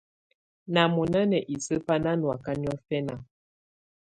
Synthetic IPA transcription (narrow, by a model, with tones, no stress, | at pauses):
na˨mu˨na˦nɛ˨ʔi˨sə˦pa˦na˦nwa˨ka˦n˦ɔ˦fɛ˦na˨